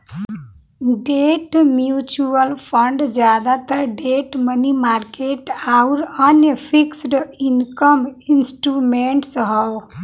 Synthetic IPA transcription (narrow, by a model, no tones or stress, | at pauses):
ɖeʈmjut͡ʃuəlpʰəɳɖd͡ʒjad̪at̪əɾɖeʈmənimaɾkeʈaʊɾənjəpʰiksɖinkəminsʈɾumeɳʈsɦʌw